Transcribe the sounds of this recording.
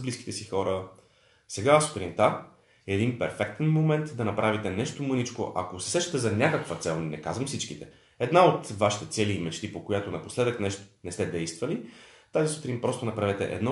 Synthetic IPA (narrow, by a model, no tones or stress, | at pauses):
bliski̥t̪ɛsixɔɾə | sɛɡasu̥t̪ɾint̪a | ɛd̪inpɛɾfɛk̚t̪ɛnmomɛnt̪d̪ɐnɐpɾʔavit̪ɛnɛʃt̪omɤnit͡ʃko̰ʔakosɛ̥sɛʃt̪ə̥t̪ɛzɐnʲakəkvət̪sɛlˠnɛkazvɐmfsit͡ʃkit̪ɛ | ɛd̪naot̪vaʃi̥t̪ɛt̪sɛliːmɛt͡ʃt̪ipokojat̪onɐposlɛd̪əknɛʃt̪o̥nɛst̪ɛd̪ɛjst̪vɐlit̪azisu̥t̪ɾinpɾɔst̪onɐpɾavɛt̪ɛ̰ʔɛ̰d̪nɔ